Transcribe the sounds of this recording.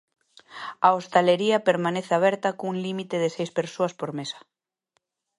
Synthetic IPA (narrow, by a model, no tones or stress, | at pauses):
aost̪eleɾiɐpeɾmãneθeaβ̞ɛɾt̪akouŋlimit̪eðesejspeɾsoaspoɾmesḁ